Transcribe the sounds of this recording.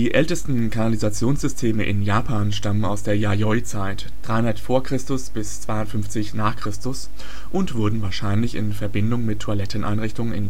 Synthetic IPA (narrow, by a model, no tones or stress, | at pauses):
d̥iːʔɛltəstn̩kʰanalizat͡sjoːnsz̥ʏstʰeːməʔɪ̰njaːpʰaːnʃtaməna̰ʊsd̥eːɐjajɔʏt͡saɪt | d̥ʁaɪhʊndɐtfoːɐkʁ̥ɪstʊsb̥ɪst͡sv̥aɪʊntfʏnft͡sɪçnaːχkʁ̥ɪstʊs | ʔʊntv̥ʊɐdn̩vaːɐʃaɪnlɪçɪ̰nfɛɐbɪndʊŋmɪtʰːualɛtn̩ʔa̰ɪnʁɪçtʊŋənɪ̰n